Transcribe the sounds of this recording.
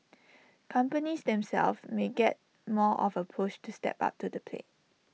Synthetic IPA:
kʰãmpənisdɛ̃msɛ̰lfmeɡɛt̚ | mɔʔɔ̰vəpʰɹoʃtustɛ̰pa̰p̚tudəpʰlḛt̚

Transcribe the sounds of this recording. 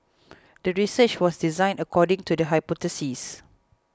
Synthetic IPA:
dəɹisət͡ʃwɔsdizãɪ̃nəkʰɔdɪ̃ŋtudəɦajpɔtəsis

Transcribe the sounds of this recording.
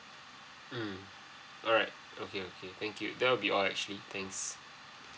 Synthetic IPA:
m̩ | ʔɔlɹaɪt̚okeokʰet̪ɛ̃ŋkjṵd̪ɛwəlbiʔɔlɛk̚t͡ʃuəlit̪ʰɛ̃ŋks

